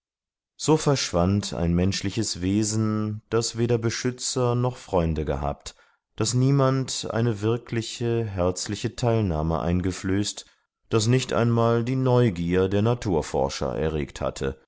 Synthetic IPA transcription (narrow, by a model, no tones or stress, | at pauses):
z̥oːfɛɐʃv̥antʰa̰ɪnmɛnʃlɪçəsveːzn̩d̥asv̥eːdɐbəʃʏt͡sɐnɔχfʁ̥ɔʏndəɡə̰ɦa̰ːpt | d̥asniːmantʔa̰ɪnəvɪɐkʰlɪçəɦɛɐt͡slɪçətʰaɪlnaːmə̰ʔa̰ɪnɡəfløːst | d̥asnɪçtʔa̰ɪnmaːldiːnɔʏɡiːɐdeːɐnatʰuːɐfɔ̰ɐʃɐ̰ʔɛ̰ɐʁeːktha̰tʰə̰